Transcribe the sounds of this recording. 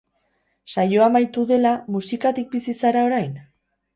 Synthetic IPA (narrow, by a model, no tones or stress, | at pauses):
sajo̞amajt̪uðe̞lamusikat̪ik̚bisisaɾao̞ɾajn